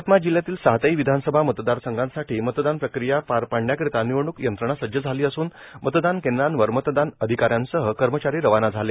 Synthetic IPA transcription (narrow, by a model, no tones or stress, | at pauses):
at̪mad͡ʑiljat̪iːlsaɦt̪aiʋid̪ʱansəbʱamət̪d̪aɾsəŋɡãnsaʈʰiːmət̪d̪anpɾəkɾijapaɾpaɳɳjakɾit̪aniʋəɳ̃ukjənt̪ɾəɳ̃asəjəd͡zʱaliːəsuːn | mət̪d̪ankẽnd̪ɾanʋəɾmət̪d̪anəd̪ʱikaɾjãnsəɦəkəɾmət͡ɕaɾiːɾəʋanad͡zʱale